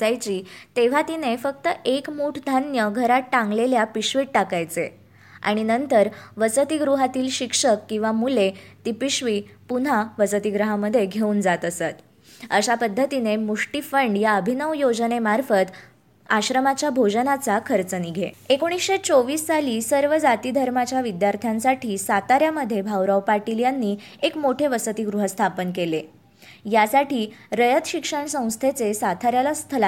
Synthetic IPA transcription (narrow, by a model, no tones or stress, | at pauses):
ajt͡ɕiːt̪eʋ̤at̪inefək̚t̪əʔekmuʈʰd̪ʱanjəɡʱəɾat̪ːãŋɡleljapiɕʋiːʈ̚ʈakajt͡se | a̰ɽ̃inənt̪əɾʋəsət̪iɡɾuɦat̪iːlɕikʂəkːĩw̃ʋamulet̪ipiɕʋipun̤aʋəsət̪iɡɾəɦaməd̪ʱːjeɡʱeuːnd͡zat̪əsat̪ | əɕapəd̪ʱːət̪inemuʂʈifəɳɖjaəbʱinəʋjod͡znemaɾfət̪ | aɕɾəmat͡ɕjabʱod͡ʑənat͡sakʰəɾt͡səniɡʱḛekoɽ̃isɕet͡soʋiːsːaliːsəɾʋəd͡zat̪id̪ʱəɾmat͡ɕjaʋid̪jaɾt̪ʰjãnsaʈʰiːsat̪aɾjaməd̪ʱːjebʱawɾəʋpaʈiljanːiː | ekmoʈʰeʋəsət̪iɡɾuɦəst̪ʰapənkele | jasaʈʰiːɾəjət̪ɕikʂəɳsə̃w̃st̪ʰet͡sesat̪ʰaɾjalast̪ʰəla